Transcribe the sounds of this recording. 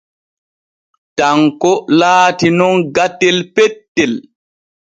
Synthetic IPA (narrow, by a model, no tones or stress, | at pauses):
taŋkɔlaːtinɔnɡatːɛlpɛtːɛl